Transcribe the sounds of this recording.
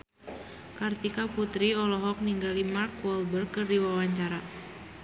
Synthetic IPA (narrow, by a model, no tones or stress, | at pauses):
kart̪ikaput̪ɾiɔlɔɦɔk̚niŋɡalimarkwɔlbərkɨrdiwawaɲt͡ʃaɾa